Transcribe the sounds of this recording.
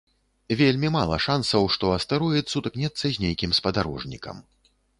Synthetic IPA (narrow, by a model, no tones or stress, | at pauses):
vʲelʲmʲimalˠɐ̰ʂansɐwʂt̪ɔɐst̪ɐɾujɛt̪sut̪knʲɛt̪sːɐzʲnʲejkʲimspɐd̪aɾɔ̰ʐnʲḭkɐ̰m